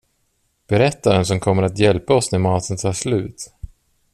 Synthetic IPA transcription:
b̥ɛɾɛt̪ːad̪ɛns̬ɔmkʰɔmːəɾat̪jɛlpaɔsnɛmɑːt̪ʰənt̪ʰɑːʂlʉ̟ːt̪

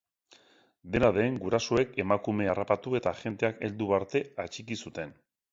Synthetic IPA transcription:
d̪e̞naðe̞ŋɡuɾasoe̞ke̞makume̞arapat̪ue̞t̪aʝe̞nt̪e̞ake̞ld̪uβaɾt̪e̞at͡ʃikisut̪e̞n

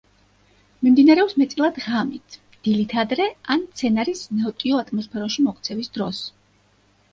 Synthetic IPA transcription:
mimd̪inaɾɛɔpsmɛt̪sʼilˠad̪ʁamit̪ʰ | d̪̥ilit̪ʰad̪ɾɛant̪sʰɛnaɾisnaɔt̪ʼiɔat̪ʰʼmɔspʰɛɾɔʃimɔk̚ʰt̪sʰɛvisd̪ɾɔs

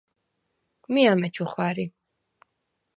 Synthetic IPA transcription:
kʼmiamɛt͡ʃʰuχwaɾi

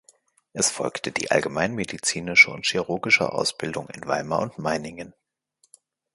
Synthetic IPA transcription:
ʔɛsfɔ̰lktʰəd̥ḭːʔa̰lɡəmaɪnmedit͡siːnɪʃəʊ̰ntʃiʁʊːɡɪʃə̰ʔa̰ʊsb̥ɪldʊŋɪ̰nva̰ɪmɐ̰ʊntmaɪnɪŋən

